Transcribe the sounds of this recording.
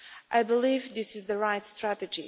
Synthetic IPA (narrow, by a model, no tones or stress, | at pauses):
ʔaɪbəlivðɪsɨzðəɹaɪtstɹætɨd͡ʒḭ